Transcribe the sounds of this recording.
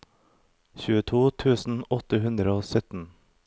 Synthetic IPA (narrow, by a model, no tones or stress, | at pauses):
çʉːət̪ʰuːt̪ʰʉːsn̩ɔt̪əhʉnd̪ɾəoːsœt̪n̩